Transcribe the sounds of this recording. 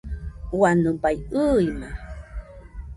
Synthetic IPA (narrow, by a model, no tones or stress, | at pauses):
wanupajɯjma